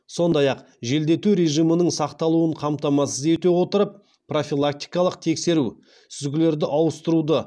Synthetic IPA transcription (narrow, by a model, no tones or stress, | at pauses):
so̞nd̪ɑjɑq | ʒe̞ld̪e̞t̪uɾe̞ʒijmənəɴsɑqt̪ɑlˠuəɴqʰɑmt̪ɑmɑsəze̞t̪e̞wo̞t̪əɾəp̚ː | ro̞fʲilˠak̚t̪ijkɑlˠəqt̪ʰe̞kse̞ɾu | t̪ʰʏzɡʲɪle̞ɾd̪ɪʔɑwəst̪əɾud̪ə